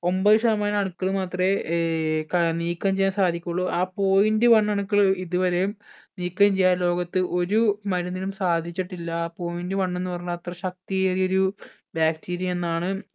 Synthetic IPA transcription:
o̞mbɐðɨʂɐɐmaːnɐɳukːɐɭɨmaːt̪re | kɐniːkːɐmt͡ɕejːaːnsaːd̪ʱikʲːuɭːuʔaːpo̞ːjindɨʋɐɳːɐɳukːɐɭiðuʋɐɾejumniːkːɐmt͡ɕejːaːnlo̞ːɡɐt̪ːɨʔo̞ɾumɐɾunːilumsaːd̪ʱit͡ɕːiʈːilːɐaːpo̞ːjindɨʋɐɳːe̞nːɨpɐrɐɲːuɐt̪rɐɕɐk̚t̪ijɐjio̞ɾu | baːkʈʰiːɾjɐe̞nːaːɳɨ

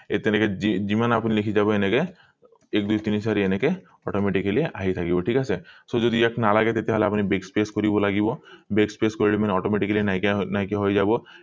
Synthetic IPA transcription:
et̪enekeid͡ʒimanapunilekʰid͡ʒabɔeneke | ek̚d̪ujt̪inisʰaɾieneke | ɔʈɔmeʈikelieʔaɦijt̪ʰakibɔʈʰikasesod͡ʒɔd̪iaknalaɡet̪et̪eɦaleapunibekspeskoɾibɔlaɡibɔbekspeskɔɾilimaneɔʈɔmeʈiklienaknajkeɦojd͡ʒabɔ

